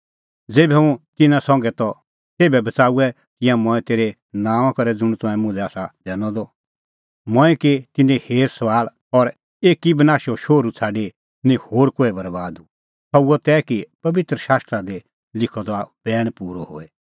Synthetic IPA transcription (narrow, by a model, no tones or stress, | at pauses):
d͡zeːbɛũt̪ɪnãsɔ̃ŋɡɛt̪ɔ | t̪eːbɛbɐt͡saːuɛ | kɪjãmɔ̃ɛ̃t̪eːɾɛ | nãːʋ̃ãkɐɾɛd͡zʊɽ̃t̪ʊ̃ɛ̃mʊ̃lɛaːsad̪ɛːnɔd̪ɔ | mɔ̃ɛ̃ket̪ɪnẽheːɾsɐʋaːl | ɔɾ | eːkibɐnaːʃɔʃoːɾut͡sʰaːɖe | nĩhoːɾkoːɛbɐɾbaːd̪u | tɔuɔt̪ɛːkipɐʋɪt̪ɾəʃaːst̪ɾad̪e | lɪkʰɔd̪ɔab̥ɛːɽ̃puːɾɔhoːɛ